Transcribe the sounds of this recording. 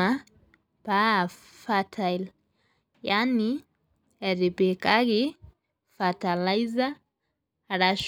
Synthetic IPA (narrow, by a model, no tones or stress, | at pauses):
a | pa | fatʰajl | jani | ɛɾipikaɣi | fatalaiza | ɾaʃ